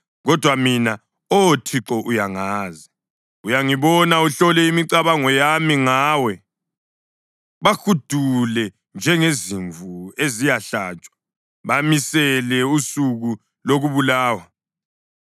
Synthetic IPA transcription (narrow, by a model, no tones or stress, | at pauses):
ɣɔd̥ʱwamina | otʰiǁɔʔujaŋaːzi | ujaŋiβɔnauɬɔlɛimiǀaβaŋɔjamiŋaːwɛ | βakud̥ʱulɛ | nd͡ʒʱɛŋeziɱvuezijaɬa̰ːt͡ʃʼwḁ | βamisɛlɛusuɣu | loɣuβulaːwa